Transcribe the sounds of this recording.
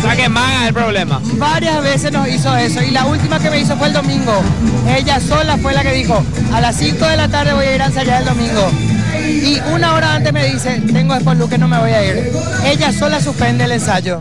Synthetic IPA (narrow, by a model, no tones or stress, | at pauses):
sakemaɣaelpɾoβlema̰βaɾjazβe̞sesno̞siso̞e̞so̞ilault̪imake̞me̞is̬o̞fweːld̪o̞mĩŋɡo̞e̞ʎaso̞lafwe̞lake̞ðixo̞alasiŋko̞ðe̞lat̪aɾð̞e̞βo̞jaiɾans̬aʝaɾeld̪omĩŋɡo̞ | iunao̞ɾaant̪eɦme̞ðise̞t̪e̞ŋɡo̞ehpoluke̞nõ̞me̞βojaiɾ | e̞ʎaso̞las̬uhpe̞nd̪eːlensaʝo̞